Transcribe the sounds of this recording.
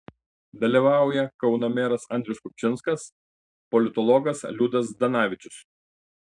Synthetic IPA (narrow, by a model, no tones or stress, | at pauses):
d̪ɐlʲiʋɑˑʊjɛkɒʊnɐmʲeːɾɐsɐˑnd̪ʲɾʲɛʊskʊpʲt͡ʃʲɪnskɐs | pɔlʲɪt̪ɔlˠɔɡɐslʲud̪ɐs̬d̪ɐnɑːʋʲɪt͡ʃʲʊs